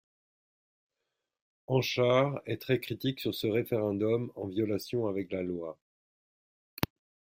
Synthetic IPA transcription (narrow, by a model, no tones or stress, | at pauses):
ɑ̃ʃaʁɛt̪χɛkχit̪iksyʁsəʁefeʁɛ̃d̪ɔmɑ̃vjɔlasjɔ̃avɛklalwa